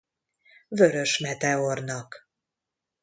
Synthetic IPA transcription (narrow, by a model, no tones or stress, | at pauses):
vø̞ɾø̞ʃmɛt̪ɛornɒk